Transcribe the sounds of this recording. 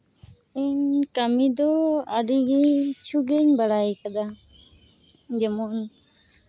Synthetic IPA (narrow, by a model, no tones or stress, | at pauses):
ɛɲkamid̪ɔaɾiɡɛɲt͡ʃʰuɡɛɲbaɽajkad̪a | d͡ʒɛmɔn